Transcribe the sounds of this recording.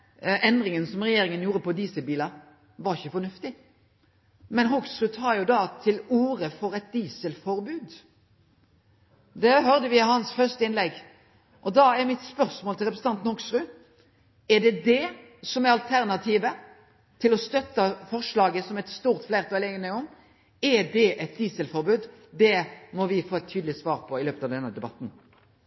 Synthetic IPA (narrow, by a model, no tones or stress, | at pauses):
ʔɛnd̪ɾɪŋənsɔmʁɛjeːɾɪŋənjuːɾəpɔd̪iːsəlbiːlɑ | ʋɑɾɪçːəfɔnʉft̪ɪ | mɛnɦɔksɾʉːt̪ʰɑːjʊd̪ɑːt̪ʰɪluːɾəfɔɾɛt̪̚d̪iːsəlfɔɾbʉːd̪ | d̪ɛɦœɾd̪əʋɪhɑnsfœʁʂt̪əɪnlɛɡ | ʔɔd̪ɑːæɾmɪt̪spœɾsmoːlt̪ʰɪlʁɛpɾsn̩ɑnt̪n̩hɔksɾʉː | ɛɖɛd̪ɛ | sɔmæɑlt̪ʰæɾnɑt̪ʰiːʋə | t̪ʰɪlɔst̪œt̪ːəfɔʁʂɭɑːɡəsɔmɛt̪st̪uːʁt̪fleːɾʁt̪ʰɔɛleɡənæɔm | ɛd̪ɛʔɛt̪̚d̪iːsəlfɔɾbʉːd̪d̪ɛmɔʋɪfoːɛt̪ʰːyːd̪əlɪsʋɑːɾpʰɔɪløːpət̪ɑːʋd̪ɛnːəd̪ɛbɑt̪n̩